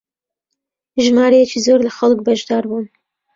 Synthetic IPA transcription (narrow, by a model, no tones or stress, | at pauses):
ʒmɑːɾɐjɛt͡ʃizoːɾlaxalˠk̚baʒd̪ɑːɾbun